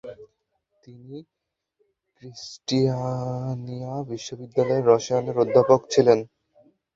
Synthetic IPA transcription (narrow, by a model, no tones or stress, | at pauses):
t̪ini | kɾisʈianiabiʃːobid̪ːalɔeɾːɔʃaneɾod̪ʱːapokt͡ɕʰilen